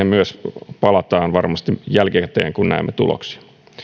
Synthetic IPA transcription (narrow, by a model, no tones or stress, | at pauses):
emyøspɑlɑt̪ɑːnʋɑrmɑst̪ijælkekæt̪ːḛːŋkunnæ̰emːet̪ṵlo̰ksi̥